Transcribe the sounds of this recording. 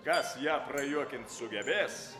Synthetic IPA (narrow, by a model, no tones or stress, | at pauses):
kɐsjæːprɐjuɔkʲɪnt̪sʊɡʲɛbʲeːs